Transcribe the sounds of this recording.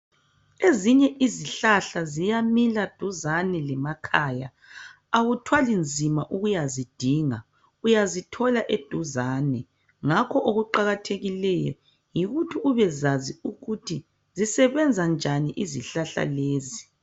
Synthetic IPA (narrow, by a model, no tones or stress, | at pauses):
eziɲɛʔiziɬaɬazijamilad̥ʱuzanɛlɛmakʰaːja | aɣutʰwalind͡zʱimaʔuɣujazid̥ʱiŋa | ujazitʰɔlaʔed̥ʱuzaːnɛ | ŋakʰɔʔoɣuǃaɣatʰeɣilɛjɔ̰ | jiɣutʰiuβɛzaziuɣutʰi | zisɛβɛnd͡zʱand͡ʒʱaniʔiziɬaɬa̰leːzi